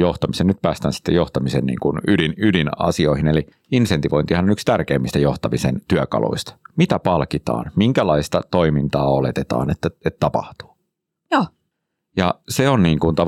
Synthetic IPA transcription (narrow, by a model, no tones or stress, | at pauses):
joht̪ɑmisennyt̪̚pæːst̪æːnsi̥t̪ːejoht̪ɑmisennḭːŋkunydinydinɑ̰sioihineli | insent̪iʋo̞int̪ihɑnonykst̪ærkeːmːist̪æjo̞ht̪ɑmisent̪yækɑ̰lʔo̰ist̪ɑ̥mit̪æpɑlkit̪ɑ̰ːnmiŋkælɑist̪ɑt̪o̞imint̪ɑːolet̪et̪ɑ̰ːnet̪ːæet̪t̪ːɑpɑ̰ht̪u̥ː | joː | jɑ̰seonniːŋkunt̪ɑ